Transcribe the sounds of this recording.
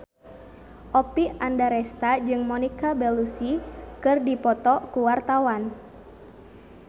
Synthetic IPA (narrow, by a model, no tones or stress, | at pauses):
ʔɔpiandaɾɛst̪ad͡ʒɨŋmɔnikabɛlusikɨrdipɔt̪ɔkuwart̪awan